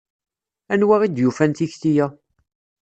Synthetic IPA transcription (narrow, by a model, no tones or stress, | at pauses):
ænwaʁid̪jufænt̪içθijæ